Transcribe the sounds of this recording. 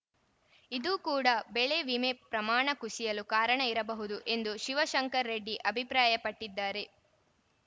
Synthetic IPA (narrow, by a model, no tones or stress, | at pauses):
id̪uːkuːɽɐbɛɭe̞ʋimepɾɐmaːɳɐkusijɐlukaːɾɐɳɐiɾɐbɐɦud̪uʔe̞nd̪uʃiʋɐʃɐŋkɐɾːeɖːiʔɐbʱipɾaːjɐpɐʈːid̪ːaːɾe̞